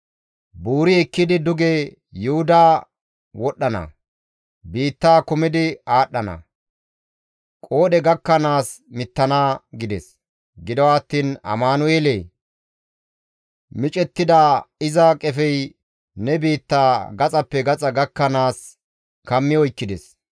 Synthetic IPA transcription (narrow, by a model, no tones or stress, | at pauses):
buːɾɪɛkːɪd̪ɪd̪ʊɡe | jʊhʊd̪aː | wɔɗːɐnɐ̰ | biːt̪ːaːkʊmɪd̪ɪaːɗːɐnɐ̰ | kʼo̞ːɗɛɡɐkːɐnaːsmɪt̪ːɐnaːɡɪd̪ɛs | ɡɪd̪ɔwaːt̪ːiːnɐ̰maːnʊeːle | mɪt͡ʃʼɛt̪ːɪd̪aːɪzakʼɛfɛj | nɛbiːt̪ːaːɡɐt͡sʼɐpːɛɡɐt͡sʼɐɡɐkːɐnaːs | kɐmːɪjɔɪkːɪd̪ɛs